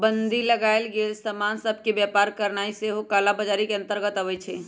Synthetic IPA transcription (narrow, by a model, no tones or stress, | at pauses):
bənd̪ʱiləɡalɡelsəmansəb̚ʱkebjapaɾkəɾnaiseɦokalabəd͡ʒaɾikeə̃nt̪əɾɡət̪əʋɛt͡ʃʰɛ